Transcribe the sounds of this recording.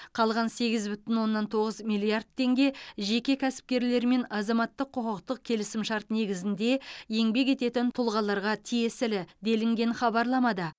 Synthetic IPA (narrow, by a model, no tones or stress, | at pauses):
qʰɑlˠʁɑnse̞ɡʲɪzbʏt̪ɪnwo̞nːɑnt̪ʰo̞ʁəzmijlʲˠiard̪̚ʰe̞ŋɡʲe̞ʒe̞kʲe̞kʲʰæsɪ̥p̚kʲeɾle̞ɾme̞nɑzɑmɑt̪ːəqʰːoqəq̚t̪əq̚kʲʰe̞lɪsɪmʃɑɾt̪ne̞ɡʲɪzɪnd̪e̞je̞ŋbe̞k̬ʲe̞t̪e̞t̪ɪnt̪ʰʊlˠʁɑlˠɑɾʁɑt̪ʰije̞sɪlɪd̪e̞lɪŋɡʲe̞nχɑbɑɾlˠɑmɑd̪ə